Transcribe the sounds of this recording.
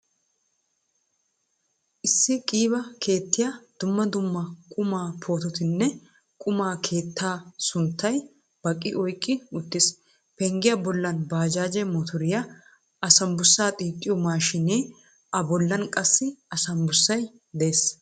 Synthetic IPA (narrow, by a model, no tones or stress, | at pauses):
ʔɪsːɪkʼiːbɐkʰe̞ːt̪ːɪjaːd̪̥ʊmːɐd̪ʊmːɐkʼʊmaːpʰoːt̪ɔt̪ɪnːɛ | kʼʊmaːkʰe̞ːt̪ːaːsʊnt̪ːɐj | b̥ɐkʼːɪ̰ʔɔjkʼːɪʊt̪ːɪs | pɛŋɡɪjɐbɔlːɐnbaːd͡ʒaːd͡ʒɛmɔt̪ʰɔɾɪjɐ | ɐsɐmbʊsːaːt̪ʼiːt̪ʼːɪjɔmaːʃɪneː | ʔɐbɔlːɐnkʼɐsːɪɐsɐmbʊsːɐj | d̪eeːs